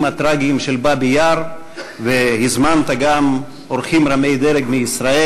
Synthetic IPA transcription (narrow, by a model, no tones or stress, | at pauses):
mhat̪ɾaɡimʃelbabejaɾ | vehizmant̪aɡam | oɾχimɾamejd̪eɾeɡmeisɾae